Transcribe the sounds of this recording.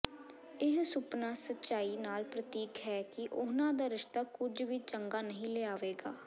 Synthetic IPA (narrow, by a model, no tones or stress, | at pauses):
ɪɦsʊpnaːsətːʃaːiːnaːlpɾət̪iːkɦɛːkɪʔʊnãːd̪aːɾɪʃt̪aːkʊd͡ʒʋiːt͡ʃəŋɡaːnəɦĩːleːaːʋeːɡaː